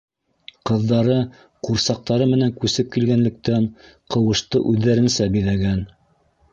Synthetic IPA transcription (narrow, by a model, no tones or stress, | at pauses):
qɤ̆ðːɑɾɤ | quɾsɑq̚t̪ɑɾɤmɘ̆næŋkʉsɘp̚kilɡænlɘ̆k̚t̪æn | qɤ̆wɤ̆ʃt̪ɤʔʉðːæɾɘ̆nsæbiðæɡæn